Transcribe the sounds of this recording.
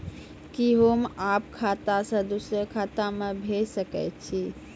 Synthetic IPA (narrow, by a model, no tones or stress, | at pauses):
kiɦomapkʰat̪asə̃d̪usɾəkʰat̪amebʱesəkɛt͡ʃʰi